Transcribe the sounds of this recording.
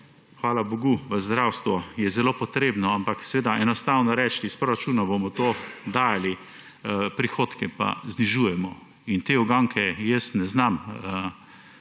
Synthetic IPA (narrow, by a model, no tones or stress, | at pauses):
xʋaːlaboɡuʋəzd̪ɾawst̪ʋɔjɛzɛloːpɔt̪ɾeːbnɔampaksɛʋeːd̪aʔɛnɔst̪awnɔɾɛt͡ʃt̪ispɾoɾat͡ʃuːnabomɔt̪oːd̪aːjali | pɾixoːt̪kɛpa̰zniʒuːjɛmɔ | int̪eːɔɡaŋkʰɛjəsnɛznamə